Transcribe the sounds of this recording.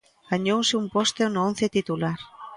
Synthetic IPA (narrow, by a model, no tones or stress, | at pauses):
ɡ̥aɲowsɪumpost̪enʊõnθet̪it̪ulaɾ